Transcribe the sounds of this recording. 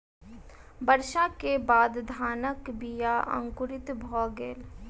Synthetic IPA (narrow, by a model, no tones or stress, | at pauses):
bəɾʃãkebaːd̪d̪ʱaːnəkbijaə̰̃ŋkʊɾɪt̪bʱɔːɡeːl